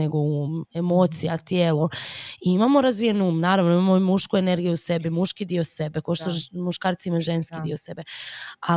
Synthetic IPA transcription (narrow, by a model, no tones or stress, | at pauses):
eɡouːmemoːt̪sijat̪jeːloiimamo̞ɾazʋijenuːmnaːɾaʋnoimamomuʃkue̞ne̞ɾɡijuuse̞bimuʃkid̪iose̞bekoʃt̪omuʃkaːɾt̪siimauʒe̞nskid̪iose̞bea